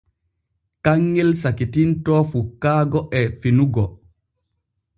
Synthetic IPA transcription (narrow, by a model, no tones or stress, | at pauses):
kaŋːɛlsakitintɔːfukːaːɡɔʔɛfinuɡɔ